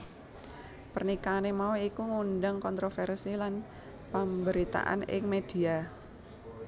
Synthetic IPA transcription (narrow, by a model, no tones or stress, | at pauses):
pərnikanemauikuŋunɖaŋkɔnt̪ɾofɛrsilan | pəmbəɾit̪a̰ʔa̰nɪ̰ŋmed̥i̤a